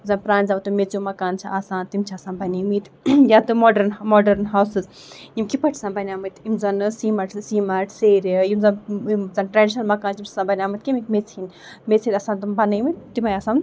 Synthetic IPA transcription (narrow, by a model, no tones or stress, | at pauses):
zɐnpɾãːnʲzɐmt̪umet͡sjumɐkaːnt͡ʃʰiʔaːsãːnt̪imt͡ʃʰaːsãːnbɐnijmit̪ | jat̪ɨmoːɖɐɾnmoːɖɐɾnɦaːwsɨz | imkipɐʈʰsãːbɐnʲaːmɨt̪imzɐnɨsiːmɐʈsiːmɐʈʰseːɾʲimzɐnzɐnʈɾaːɖiʃnɐlmɐkaːnt͡ʃʰimt͡ʃʰsãːbɐnʲaːmɐt̪kimikmet͡sin | met͡seɾʲɐsãːnt̪ɨmbɐnijmit̪t̪imɐjaːsãːm